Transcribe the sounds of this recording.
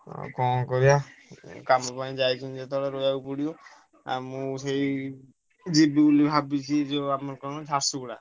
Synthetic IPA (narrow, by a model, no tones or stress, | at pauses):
kɔkɔɾiakamɔpaĩd͡ʒajt͡ʃʰind͡ʒet̪ɔɽaɾojaupɔɽiɔ | a̰mũsej | d͡ʒibibulibʱabit͡ʃʰid͡ʒeamɔɾkanɔd͡ʒʱasuɡɽa̰